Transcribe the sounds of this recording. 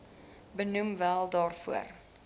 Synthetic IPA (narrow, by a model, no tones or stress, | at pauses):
bənumvælˠdɑːrfṵər